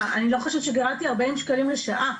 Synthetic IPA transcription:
anilo̞χoʃevʃeɡaʁat̪iaʁbeimʃkalimleʃaʔa

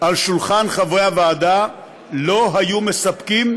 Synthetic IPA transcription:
ʔalʃulχanχavejaveːd̪a | lo̞ɦajumesapkim

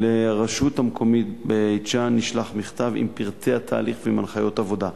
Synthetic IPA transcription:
leʁaʃuthamkʰo̞mit̪bejt͡ʃanːiʃlaχmiχt̪avḭmpiʁteat̪ʰa̰ːliχveimanχajo̞t̪avo̞d̪a

